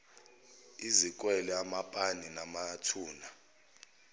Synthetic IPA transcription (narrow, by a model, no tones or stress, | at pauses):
izik̬ʼwɛlɛamapʼaninamatʰuːna